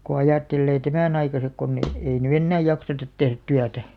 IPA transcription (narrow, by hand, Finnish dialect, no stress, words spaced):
ko ɑjɑˑtːelːeː tæmæˑn ɑikɑsek konː e ei ny enːæː jɑksetɑt tehræ̆t tyætæ